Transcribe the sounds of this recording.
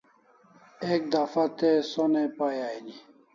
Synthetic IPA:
ek̚d̪afat̪esonepajajni

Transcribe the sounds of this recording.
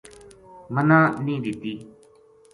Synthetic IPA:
mənãːnĩːd̪ɪt̪iː

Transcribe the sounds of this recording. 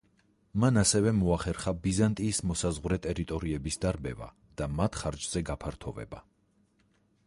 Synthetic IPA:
manasɛvɛmɔaχɛɾχabizant̪ʼiːsmɔsazʁwɾɛt̪ʼɛɾit̪ʼɔɾiɛbisd̪aɾbɛ̰va̰ | d̪̥amat̪ʰχaɾd͡ʒz̥ɛɡapʰaɾt̪ʰɔvɛ̰ba

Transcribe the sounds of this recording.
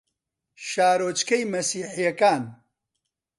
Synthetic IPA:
ʃaːɾoːt͡ʃkɐjmɐsiːħijɐkaːn

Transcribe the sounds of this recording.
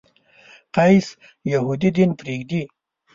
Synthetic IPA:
qɑjs | jahud̪id̪inpɾeɡd̪i

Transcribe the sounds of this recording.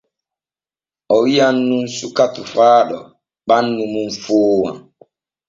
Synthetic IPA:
ɔwijanːunsukatufaːɗɔ | ɓanːumunfoːwã̰

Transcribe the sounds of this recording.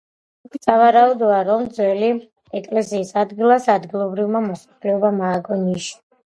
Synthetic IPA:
kisavaɾaud̪ɔaɾɔmd̪zwɛli | ɛkʼlɛsiːsad̪ɡilˠasad̪ɡilˠɔbɾivmamɔsḁplɛɔbamaːɡɔniʃi̥

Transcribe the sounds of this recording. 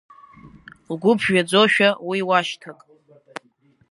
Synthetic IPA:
lɡʷʊpʰʒᶣad͡zoʃᶣawiwaʃtʰakʼ

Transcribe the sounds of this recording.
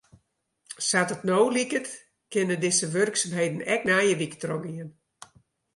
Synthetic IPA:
satətnoːlikət | kɪnədɪsəʋørksamɦejdn̩ɛk̚nɛjəʋikətrɔɡiən

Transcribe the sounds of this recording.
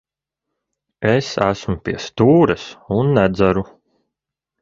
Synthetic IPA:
esæsmupʲiɛst̪uːɾɐsunːæd̪zæɾu

